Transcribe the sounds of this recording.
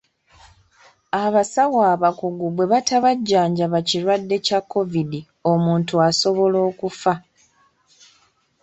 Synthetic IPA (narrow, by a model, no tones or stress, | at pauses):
aβasawaːβakuɡuβwe̞βatʰaβaɟːaːɲɟaβaciɾwadːe̞cakːo̞vidi | o̞muːntuaso̞βo̞lo̞ːkufa